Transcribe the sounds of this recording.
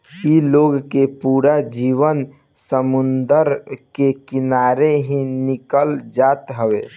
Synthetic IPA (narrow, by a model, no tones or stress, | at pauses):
iloɡkepuɾad͡ʒiʋən | səmund̪əɾkekinaɾeɦĩnikəld͡ʒat̪ɦəʋe